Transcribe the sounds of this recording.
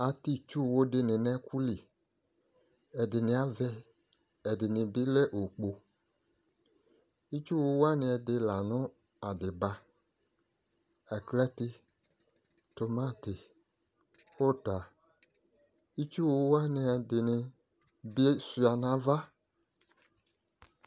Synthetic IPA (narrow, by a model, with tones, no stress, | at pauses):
a˨ti˦˨t͡ʃu˦˨wo˧dɪ˧nɪ̃˨nɛ˦kʰu˦li˨ | ɛ˨dɪ˨nɪ̃˧a˦vɛ˦ | ɛ˨dɪ˨nɪ̃˨bi˦lɛ˦ʔo˨k͡po˧ | i˦t͡ʃu˦wo˧˦wa˦nɪ̃˧ɛ˧dɪ˧la˨nʊ̃˦ | a˨dɪ˨ba˧ | ɛ˨klɛ˦tɪ˦ | to˨mã˦˨tɪ˨ | o˦ta˨ | i˦t͡ʃu˦wo˧wa˦nɪ˧ɛ˧dɪ˨nɪ˧ | be˦su˨a˨nã˨va˦